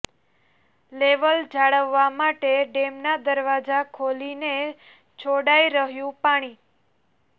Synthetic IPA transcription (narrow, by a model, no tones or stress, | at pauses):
leʋəld͡ʒaɽəʋːamaʈeɖemnad̪əɾʋad͡ʒakʰoline | t͡ʃʰoɽaiɾəɦjũpaɽ̃i